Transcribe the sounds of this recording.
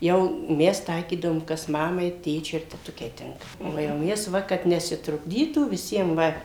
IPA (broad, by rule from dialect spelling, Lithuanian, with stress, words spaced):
jɛʊ ˈmʲɛs ˈtɐɪkʲiːdɐʋoːm kɐs ˈmɑːmɐɪ ˈtʲeːt͡ʃʲʊɪ ɪr tʲɛˈtʊkʲɛɪ ˈtʲɪŋkɐ oː jɛʊ ˈmʲɛs ˈʋɐ kɐt nʲɛsʲɪtrʊɡˈdʲiːtuː ʋʲɪˈsʲiɛm ˈʋɐ